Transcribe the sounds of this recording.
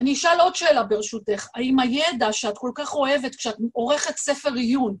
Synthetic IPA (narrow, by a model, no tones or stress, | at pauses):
aniːʃalo̞d̪̥ʃe̞ːlabe̞ʁeʃute̞χaimaje̞daʃeat̪ko̞lkaχo̞e̞vet̪kʃeat̪o̞ʁe̞χet̪se̞fe̞ʁijun